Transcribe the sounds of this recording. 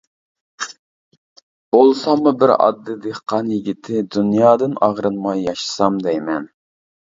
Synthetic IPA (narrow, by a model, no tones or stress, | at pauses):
b̥olˠsɑmːubɪɾɑ̰d̪ːɨd̪ehqɑnjɪɡʲit̪ʰɪd̪unjɑːd̪ɨnɑʁɾɨnmɑjːɑʃɨ̥sɑmd̪ɛjmɛn